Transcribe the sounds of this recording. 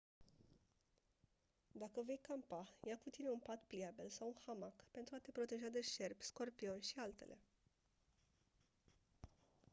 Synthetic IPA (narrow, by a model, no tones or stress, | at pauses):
d̪akəve̞jkampajakut̪ine̞unpat̪pliabelsawunxamakpe̞nt̪ɾuat̪e̞pɾo̞t̪e̞ʒad̪e̞ʃe̞rbʲsko̞rpio̞nʲʃialt̪e̞̰lʔe̞